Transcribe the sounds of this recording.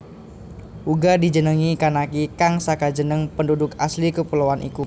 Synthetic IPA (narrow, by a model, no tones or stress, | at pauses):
ʔuɡadid͡ʒənəŋikanakikaŋsakad͡ʒənəŋpəndudʊkaslikəpulowanʔḭku